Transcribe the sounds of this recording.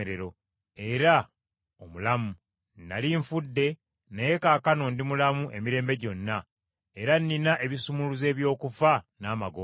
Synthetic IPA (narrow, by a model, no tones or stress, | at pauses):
eɾeɾo̞ | e̞ɾa | omulamu | na̰liɱfudːe̞ | nejekaːkano̞ndimulamuʔe̞̰miɾe̞ːmbe̞ɟo̞nːa | e̞ɾanːinaʔe̞βisumuluze̞ːβjo̞ːkufanaːmaɡo